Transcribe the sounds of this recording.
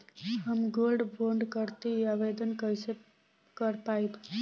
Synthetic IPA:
ɦəmɡolɖboɳɖkəɾt̪iaʋed̪ənkəjse | kəɾpaib̪

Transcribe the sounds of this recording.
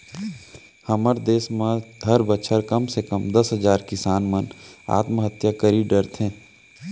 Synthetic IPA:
hɐməɾd̪eːsmãɦɐɾbət͡ʃʰəɾkɐmsekəmd̪ɐsɦəd͡ʒaːɾkɪsaːnməna̰ːt̪məɦət̪jakəɾiɖəɾt̪ʰɦɛ̃ː

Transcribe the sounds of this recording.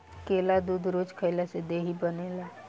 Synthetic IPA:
keːlad̪uːd̪ʱɾoːd͡ʒkʰəɪlased̪eːɦibəneːlaː

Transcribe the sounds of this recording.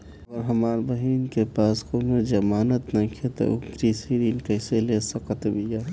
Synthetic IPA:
əɾɦɐmaːɾbəɦiːnkepaːskomẽd͡ʒɐmaːnət̪nɐkʰet̪o̰ʊkɾisiɾiːnkəɪselesəkət̪bija

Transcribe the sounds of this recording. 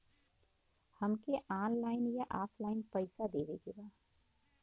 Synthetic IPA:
hɐmkeʔaːnlaːɪnjaʔaːpʰlaːɪnpɐɪsad̪eːʋeːɡeːɡaː

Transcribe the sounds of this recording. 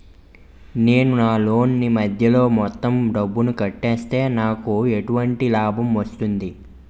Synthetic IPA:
ne̞ːnunaːlo̞ːnːimɐd̪ʱjɐlo̞ːmɔt̪ːɐmɖɐbːunukɐʈːeːst̪e̞ːnaːkueʈuʋɐɳʈilaːbʱɐmʋɐst̪und̪i

